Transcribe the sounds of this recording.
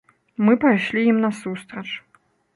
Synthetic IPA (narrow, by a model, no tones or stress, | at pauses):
mɨpajʂlʲijimnɐsust̪ɾɐt͡ʂ